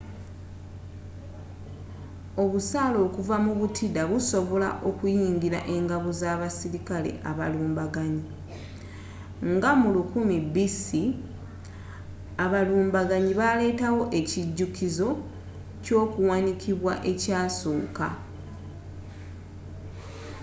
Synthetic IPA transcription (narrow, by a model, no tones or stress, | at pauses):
o̞βusaːlo̞ːkuvamuβutʰidaβuso̞βo̞la̰ʔo̞kujiːɲɡiɾa̰ʔe̞ŋɡaβuzaːβasiɾikale̞̰ʔa̰βaluːmbaɡaɲi | ŋɡamulukumibisi | aβaluːmbaɡaɲiβale̞ːtawo̞ʔe̞ciɟːukizo̞ | co̞ːkuwanikiβwa̰ʔe̞caːso̞ːka̰